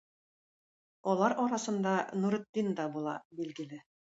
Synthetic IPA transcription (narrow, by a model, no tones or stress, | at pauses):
ɒlˠɑɾɒɾɑsɤ̆nd̪ɑnuɾɘ̆t̪̚ːind̪ɑbulˠɑ̰bilɡɘ̆lɘ